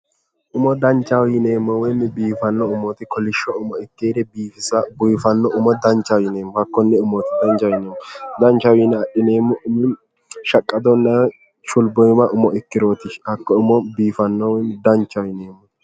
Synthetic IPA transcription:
ʔʊmɔd̪ɐnt͡ʃːɐwjɪneːmːɔwɛmːɪbiːfɐnːɔʊmɔt̪ɪkɔlɪʃːɔʊmɔɛkːeːd̪ɛbiːfɪsɐbʊjfɐnːɔʔʊmɔd̪ɐnt͡ʃːɐwɪneːmɔhɐkːɔnːɛʊmɔt̪ɪ̥d̪ɐnt͡ʃɐwɪneːmɔd̪ɐnt͡ʃɐwɪnːɛɐɗɪneːmɔʊmɪ | ʃɐkʼːɐd̪ɔnːɐ | t͡ʃʊlbɔjmɐʔʊmɔɛkːɪɾoːt̪ɪɐkːɔʊmɔbiːfɐnːɔwɛmd̪ɐnt͡ʃːɐwɪneːmːɔ

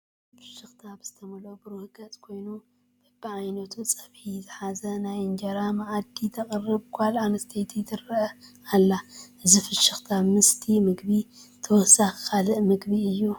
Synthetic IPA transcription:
fɨ̥ʃɨxt̪ʰabɨz̥ɨt̪ʰɐmɐlobɨɾuhɡɐt͡sʼkʰo̞jnu | b̥ɐbʕajnɐt̪ʰut͡sʼɐβħizɨħazɐnajɨnd͡ʒɐɾamaʕad̪it̪ʰɐkʼɨrːɨbkʰʷalʕanɐst̪ʰejt̪ʰijt̪ʰɨɾɐɐ | alːaʔɨzifɨʃɨxt̪ʰamɨst̪ʰimɨɡbit̪ʰɨwɔsaxkʰalɨʔmɨɡbiɨjːu

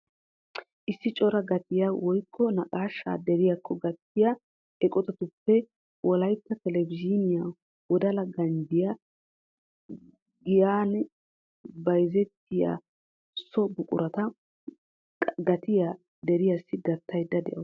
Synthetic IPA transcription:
ʔɪsːɪt͡ʃʼɔɾɐɡɐt̪ɪjawɔjkʰːɔnɐkʼaːʃːa̰ːd̪ɛɾɪjakʰːɔɡɐt̪ːɪja | ʔɛkʼɔt̪ɐt̪ʊpːɛ | wʔɔlɐjt̪ːɐt̪ɛlɛvɪd͡ʒɪnɪja | wɔd̪ɐlɐɡɐnd̪ɪja | ɡɪjaːn | bɐjzɛt̪ːɪja̰ | sɔbʊkʼʊ̰ɾɐt̪ɐ | ɡɐt̪ɪja | d̪ɛɾɪjasːɪɡɐt̪ːɐjd̪ːɐd̪ɛ̰ʔɐ

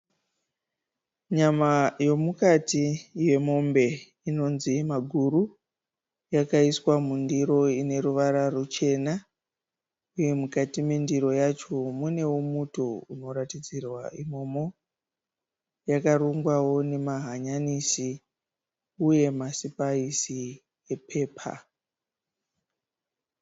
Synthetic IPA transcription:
ɲamajo̞mukatije̞mo̞mbe̞ | ino̞nzimaɡʱuru | jakaiswamundiɾo̞ine̞ɾuʋaɾarut͡ʃe̞na | uje̞mukatimendiɾo̞jat͡ʃo̞mune̞womutouno̞ɾatid͡zirwaʔimo̞mo̞ | jakaruŋɡwawo̞ne̞maɦaɲanisi | uje̞masipaisi | epʰe̞ːpʰa̰

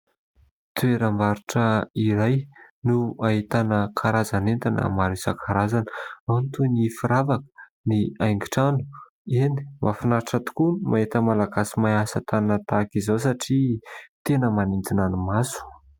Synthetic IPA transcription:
t̪ueɾəmbaɾiʈ͡ʂəiɾajnuaɦit̪anəkʰaɾazanent̪anə̰maɾisakʰaɾazanəawnt̪unifiɾavakə̥ | niajŋɡiʈ͡ʂanu̥ | ini̥mʔafinaɾʈ͡ʂət̪u̥kunmʔaet̪əmalaɡasimajasət̪annət̪akizawsaʈ͡ʂit̪enəmanind͡z̪inanumasu̥

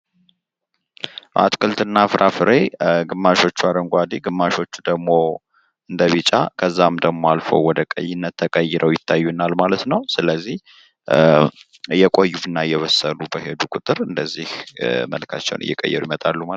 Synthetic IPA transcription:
ʔa̰t̪kʰɨlt̪ɨnːafɨɾʔafɨɾeɡɨmːaʃo̞t͡ʃːuad̪əŋɡʷad̪iɡɨmːaʃo̞t͡ʃːud̪əɡmo̞ | ʔɨnd̪əβɨt͡ʃʼa̰kʰəzːamd̪əɡmo̞alfə̰wwɔd̪əkʼə̰jːɪnːət̪ʰːəkʼəjːɛɾʔəwjɪt̪ʰːajːunːalmalət̪nəwsɨləzːih | ɨjɛkʼojːuɨnːajɛβəsəlubəhed̪ukʼʊt̪ʼɨɾɨnd̪əzːihmə̰lkʰa̰t͡ʃːɛ̰wnʔɨ̰jɛ̰kʼə̰jːɛ̰ɾuimət̪ʼalːuma

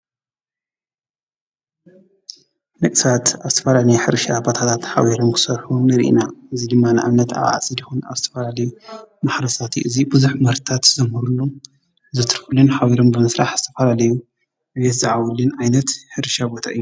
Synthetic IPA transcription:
nɨkʼsat̪azɨt̪ʰɐfɐlalɐjħɨɾʃabot̪ʰat̪ʰat̪ħa̰wiɾomkʰɨ̥sɐɾħunɨɾiʔḭnaʔɨzid̪ɨmːanɨʔa̰mnɐt̪a̰βa̰ʕt͡sʼizɨxuna̰zɨt̪ʰɐfɐlalɐjumaħɾɐsat̪ʰiʔɨzibɨzuħmɐɾt̪ʰat̪zɐmhɨɾulːo | zɨt̪ʰɨɾfɨlunħawiɾombɨmɨsɾaħz̥ɨt̪ʰɐfɐlalɐju | ɨβet̪zɨʕawulɨnʔajnɐt̪ħɨɾʃabot̪ʰaʔɨjːu

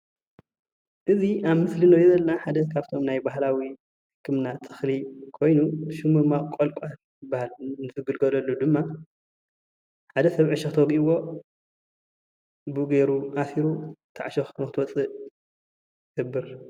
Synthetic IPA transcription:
ʔɨziaβmɨslinojɛzɐlnaħad̪ɐkʰaβt̪ʰo̞mnajbaɦlawi | ħɨkʰːɨmnat̪ʰɨ̥xlikʰo̞jnuʃumɨmakʼolkʼal | jɨbːahalnɨzʰɨɡɨlɡɐlɐlːud̪ɨmːa | ħad̪ɐsɐβʕɨʃɐxt̪ʰoɡiiwo̞ | bɨɡeɾuʔasiɾut̪ʰa̰ʕʃɐxkʰɐmkɨt̪wɐt͡sʼɨʔ | ɡɨbːɨɾ

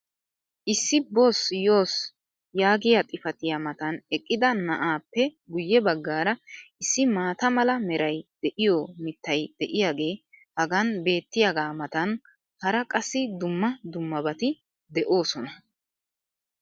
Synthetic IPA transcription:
ʔɪsːɪbo̞ːsjo̞ːs | jaːɡɪjat̪ʼɪfɐt̪ɪjamɐt̪ɐnɛkʼːɪd̪ɐnɐʔaːpːɛɡʊjːɛbɐɡːaːɾɐɪsːɪmaːt̪ɐmɐlɐmɛɾɐjd̪̥ɛʔɪjoːmɪt̪ːɐjd̪̥ɛʔɪjaːɡe̞ːhɐɡɐnbe̞ːt̪ːɪjaɡaːmɐt̪ɐn | hɐɾɐkʼɐsːɪd̪ʊmːɐd̪ʊmːɐbɐt̪ɪ | d̪ɛʔo̞ːsɔnɐ

